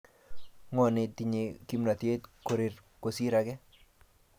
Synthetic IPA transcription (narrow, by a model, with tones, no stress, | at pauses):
ŋɔ˦˨nɪ˦t̪i˨ɲe˨ki˦mna˨t̪e˦t̪ko˨ɾi˨ɾ | ko˨si˦ɾa˦ɡɛ˦